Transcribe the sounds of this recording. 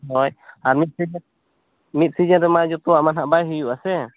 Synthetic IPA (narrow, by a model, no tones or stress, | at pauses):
ɔjaɾmit̪̚si | mit̪̚sid͡ʒãɾɛmad͡ʒɔt̪ɔwaʔmanɦaʔbajɦujuʔasɛ